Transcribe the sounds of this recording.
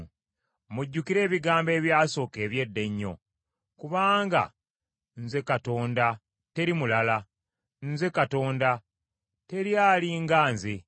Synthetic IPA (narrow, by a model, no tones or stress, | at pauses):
muɟːukiɾe̞ːβiɡaːmbe̞ːβjaːso̞ːke̞ːβje̞dːe̞ɲːo̞̰ | kuβaːŋɡa̰ | nze̞kato̞ːnda | te̞ɾimulala | nze̞kato̞ːnda | te̞ɾjaliŋɡaːnze